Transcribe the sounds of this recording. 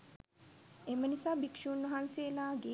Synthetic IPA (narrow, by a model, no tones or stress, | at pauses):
emənisaːbikʂuːnːɐɦanseːlaːɡeː